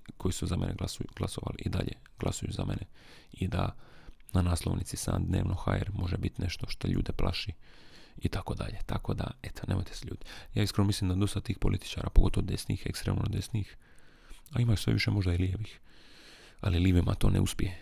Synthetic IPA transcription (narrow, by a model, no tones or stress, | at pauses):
kʰo̞jisuzame̞̰neɡlasuɡ̥lˠasoʋa̰liʔid̪a̰ʎḛ | ɡ̥lˠʔa̰sujuza̰mene | id̪ananaːslˠoʋnʔit̪sisa̰ːnd̪ne̞̰ːʋnʔoxajeɾmo̞ʒebit̪ne̞ʃt̪o̞ʃt̪o̞ʎṵːd̪iplʔa̰ʃiit̪ako̞d̪aʎe̞t̪ako̞d̪a̰et̪o̥nemojt̪ʰe̥seʎuːd̪jaːiskɾonomislimd̪ad̪o̞st̪at̪iːxpolit̪i̥t͡ʃaːɾapoɡo̞t̪ood̪esniixekst̪ɾeːmnod̪e̞sniix | aimaisʋe̞̰ʋiʃemo̞ʒd̪ailijeʋix | aliliʋimat̪o̞ːnʔeuspʲije